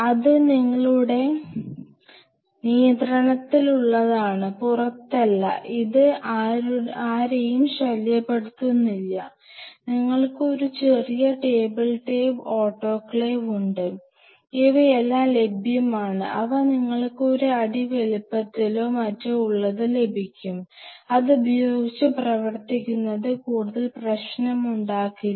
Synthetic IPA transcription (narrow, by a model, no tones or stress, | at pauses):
ɐðɨniŋːɐɭuɽe̞ | nijɐnd̪rɐɳɐt̪ːiluɭːɐðaːɳɨpurɐt̪ːɐlːɐ̰ʔiðɨaːaːɾejumɕɐljɐpːe̞ɽut̪ːunːilːɐ | niŋːɐɭkɨo̞ɾut͡ɕe̞rijɐʈe̞ːbɐlʈebo̞ːʈːo̞ːkːɭeʋuɳɖɨ | eʋɐelːaːmle̞bʱjɐmaːɳɨ̰ʔɐʋɐniŋːɐɭkɨo̞ɾuɐɽiʋe̞lupːɐt̪ːiloːmɐtːeuɭːɐðɨle̞bʱikʲːumɐðubʱɐjoːɡit͡ɕːɨprɐʋɐrt̪ikʲːunːɐðɨkuːɽuðɐlprɐɕnɐmuɳɖaːkːi